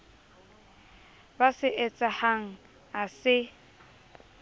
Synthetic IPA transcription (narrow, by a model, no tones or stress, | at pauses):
basɪʔɛt͡sʼahaŋ̩ | asɪ